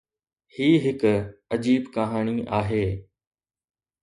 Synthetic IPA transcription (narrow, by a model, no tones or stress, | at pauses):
hiːɦɪkəd͡ʑiːbkaɦaːɽ̃iʔaːɦeː